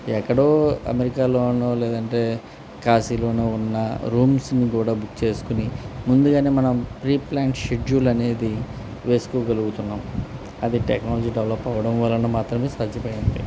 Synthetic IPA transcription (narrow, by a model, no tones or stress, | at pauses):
ɛkːɐɽo̞ːɐ̰meɾikaːlo̞ːnoːlɛːd̪ɐɳʈe̞ː | kaːsiːlo̞ːneːunːɐ̰ɾuːmsnikuːɽaːbukt͡ʃe̞ːsu̥kunimund̪uɡaːne̞ːmɐnɐmpɾiːplaːɳʈʃeɖjuːlɐne̞ːd̪i | ʋe̞ːsu̥koːɡɐluɡut̪unːaːm | ɐd̪iʈeknaːlɐd͡ʒiːɖeʋlɐpːɐʋɐɽɐmʋɐːlɐnomaːt̪ɾɐme̞ːsaːd̪ʱjɐpɐjind̪ḭ